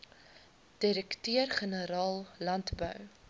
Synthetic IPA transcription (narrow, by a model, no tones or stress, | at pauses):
d̥iɾəktøərχənəɾɑːlˠlɐntbœ̰w